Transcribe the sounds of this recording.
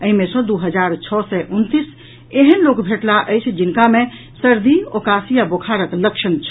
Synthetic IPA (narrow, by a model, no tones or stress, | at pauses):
əimesə̃d̪uɦəd͡ʒaɾt͡ʃʰɔsɛʔunt̪is | eɦənlokbʱeʈlaʔəjt͡ʃʰd͡ʒinkamẽ | səɾd̪ʱiokasijabokʰaɾəkləkʃənt͡ʃʰ